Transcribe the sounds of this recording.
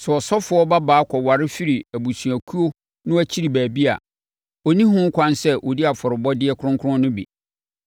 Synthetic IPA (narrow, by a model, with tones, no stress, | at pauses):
sʊ˨ɔ˨sɔ˦fʊ˨˦ɔ˦ba˦baː˨˦kʰɔ˨wa˨ɾɪ˦fi˦ɾi˨æ˨bu˨sɥæ˨kʰu˦o˦ | nʊ̃˦æ˦t͡ɕʰi˦ɾi˨bæː˨bi˦a̰˨ | ɔ˨nĩ˦ɦʊ̃˦ŋ̩˦kʷʰã˦nsɛ˦ʔɔ˨di˦a˨fɔ˨ɾɪ˨bɔ˦dɪ˦ɛ˦kʰʊ˦ʊ̃˦ŋkʰʊ˦ɾʊ̃˦nʊ̃˦bḭ˨